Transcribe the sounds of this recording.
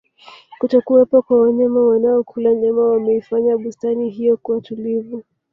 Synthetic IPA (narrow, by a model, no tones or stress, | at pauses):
kutɔkuwɛpɔkwawaɲɛmawanaɔkʰulaɲɛmawamɛifaɲaɓustaniɦijɔkuwatulivu